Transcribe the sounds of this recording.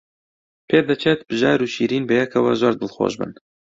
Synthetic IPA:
pʰeːd̪ɨt͡ʃʰeːt̪bɨʒɑːɾuːʃiːɾiːnbɨjɛkʰɐwɐzoːɾd̪ɨlxo̰ːʒbɨ̰n

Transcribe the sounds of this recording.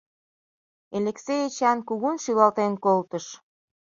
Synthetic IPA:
eleksejet͡ɕɑnkuɣunʃylɑlt̪enkolt̪əʃ

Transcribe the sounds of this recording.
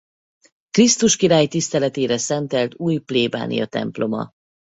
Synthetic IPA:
krist̪uʃkiɾaːjt̪ist̪ɛlɛt̪eːɾɛsɛnt̪ɛlt̪uːjpleːba̰ːnʔḭjɒ̰t̪ɛ̰mplo̞mɒ̰

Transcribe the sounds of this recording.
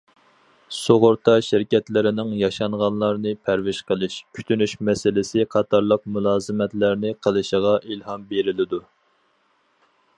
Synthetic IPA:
soʁʊɾt̪ʰɑʃɪɾkʲɛt̪lɪɾɪnɪŋjɑʃɑɴʁɑnlˠɑɾnɨpʰæɾwɪʃqʰəlˠɨʃkʲʰy̥t̪ʰynyʃmɛsɪlɪsɪqʰɑt̪ʰɑɾlˠəq̚mulˠɑːzɨmɛt̪læɾnɪqʰəlˠɨʃəʁɑʔilhɑmbeɾɪlɪd̪u

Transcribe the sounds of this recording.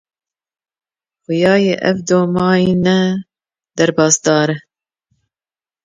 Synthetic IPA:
xʊjɑːjeʔɛ̰vd̪oːmɑːjiːnɛ | d̪ɐɾbɑːsd̪ɑːɾɨ

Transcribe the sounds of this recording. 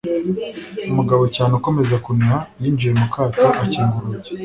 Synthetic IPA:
umuɡaβo̞caːneuko̞me̞zakunihajiːnd͡ʒije̞mukʰaːtoʔaciːŋɡuɾuze

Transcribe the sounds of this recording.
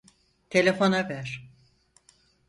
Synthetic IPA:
t̪ʰe̞lʲefo̞navæɾ̥

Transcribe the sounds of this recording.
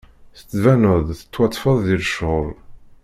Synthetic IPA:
θət͡sːvænəðˤθə̥t͡sːwɑt̪ˤːfəðˤðiɾʃʁʊl

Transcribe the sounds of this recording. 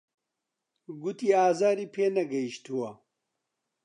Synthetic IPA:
ɡut̪iːaːzaːɾiːpʰeːnɐɡɐiʃt̪uwɐ

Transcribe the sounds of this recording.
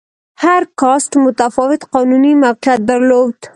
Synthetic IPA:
haɾkɑsʈmʊt̪afɑwɪt̪qɑnunimaqiat̪̚d̪əɾlowd̪̥

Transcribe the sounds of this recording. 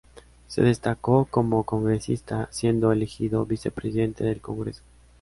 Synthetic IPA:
se̞̰ðe̞st̪ako̞ko̞mo̞ko̞ŋɡɾe̞sḭst̪asje̞nd̪oelexiðo̞βise̞pɾesiðe̞nt̪e̞ðe̞lko̞ŋɡɾeso̥

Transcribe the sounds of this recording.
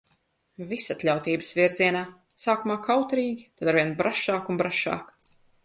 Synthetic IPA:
visat̪lʲawt̪iːbɨsviɾziɛnaːsaːkumaːkawt̪ɾiːɡʲit̪at̪aɾvʲiɛnbɾaʃaːkunbɾaʃa̰ːk

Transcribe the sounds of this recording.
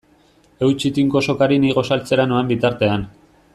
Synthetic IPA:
e̞wt͡ʃit̪iŋko̞so̞kaɾiniɣo̞salt͡se̞ɾanoambit̪aɾt̪e̞an

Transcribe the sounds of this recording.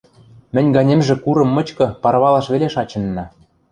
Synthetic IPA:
mɘ̆nʲɡɑnʲemʒĕkuɾɤ̆mːɤ̆t͡ɕkɤ̆pɑɾβɑlɑʃβeleʃɑt͡ɕɤ̆nːɑ

